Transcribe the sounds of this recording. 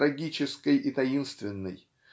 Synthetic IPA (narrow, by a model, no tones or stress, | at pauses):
ɾɐɡʲit͡ɕɪskəjɪt̪ɐinst̪vʲɪnːɨ̰j